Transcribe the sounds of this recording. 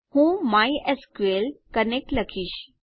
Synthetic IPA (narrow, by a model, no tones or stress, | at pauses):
hũːmaiʔeskuelkənek̚ʈləkʰiːɕ